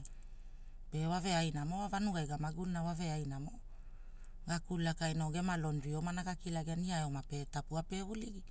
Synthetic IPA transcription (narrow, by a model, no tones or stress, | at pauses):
pe̞wave̞ajnamoavanuɡajɡamaɡunnawave̞ajnamo | ɡakulakajnoɡe̞malo̞nɾiomanakakilaɡeaniaeomape̞tapuapeuliɡi